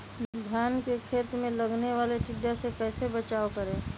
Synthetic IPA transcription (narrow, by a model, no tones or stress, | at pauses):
d̪ʱjaːnkekʰeːt̪mẽləɡneʋaːlet̪ɪd̪jasekɛːsebət͡ʃaːokəɾẽː